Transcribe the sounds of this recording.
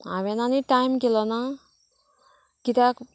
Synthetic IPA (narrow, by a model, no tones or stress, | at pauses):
a̰ʋenaniʈajmkelɔna | kit̪ak